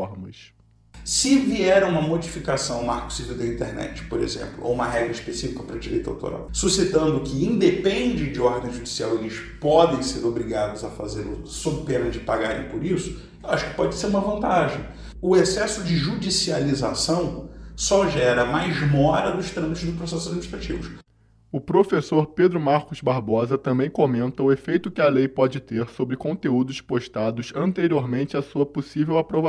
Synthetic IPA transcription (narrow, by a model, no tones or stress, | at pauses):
ɔɾmɐs | sɪviɛɾɐ̃ũmɐmod͡ʒifikasɐ̃w̃maɾkʊ̥siviwd̪ɐĩnt̪eɾnɛ̰t͡ʃɪ̥poɾḛzḛ̃mplʊo̰wũmɐɦɛɡɾɐiʃpesifikɐpɾɐd͡ʒiɾḛjt̪a̰wt̪o̰ɾa̰wsusit̪ɐ̃nd̪ʊkɪĩd̪epẽnd͡ʒɪd͡ʒɪɔɾd̪ẽj̃ʒud͡ʒisia̰welɪʃpɔd̪ẽj̃seɾobɾiɡad̪ʊzɐfazeɾʊ̰sobɪpenɐ̃d͡ʒɪpaɡaɾḛ̃j̃pʊɾisʊ̥ | ewaʃʊ̥kɪ̥pɔd͡ʒɪseɾũmɐvɐ̃nt̪aʒẽj̃ | ʊesɛsʊd͡ʒɪʒud͡ʒisializasɐ̃w̃sɔʒɛɾɐmajzmɔɾɐd̪ʊʃt̪ɾɐ̃mit͡ʃ̪ʊzd̪ʊpɾosɛsʊzad̪miniʃt̪ɾat͡ʃivʊs | ʊpɾofesoɾped̪ɾʊmaɾkʊzbaɾbɔzɐt̪ɐ̃mbẽj̃komẽnt̪ɐʊefejt̪ʊkɪɐlejpɔd͡ʒɪt̪eɾsobɾɪkõnt̪eud̪ʊʃpoʃt̪ad̪ʊsɐ̃nt̪eɾioɾmẽnt͡ʃɪasuɐposivewapɾovã